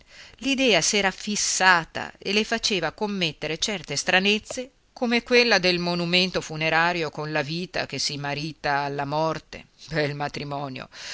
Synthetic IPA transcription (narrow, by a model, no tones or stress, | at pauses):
lid̪ɛːasɛːɾafisːaːt̪a̰elefat͡ʃeːvakomːet̪ːeɾet͡ʃɛrt̪est̪ɾanet̪sːe | komekwelːad̪elmonument̪ofuneɾaːɾjokonlaviːt̪a̰k̟esːimaɾiːt̪aːlːamɔrt̪ḛbɛlmat̪ɾimɔːnjo̰